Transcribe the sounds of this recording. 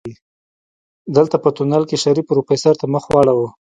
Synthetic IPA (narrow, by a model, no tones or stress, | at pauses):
i | d̪əlt̪apət̪unalkeʃaɾipɾufesaɾt̪aməxwɑɽawə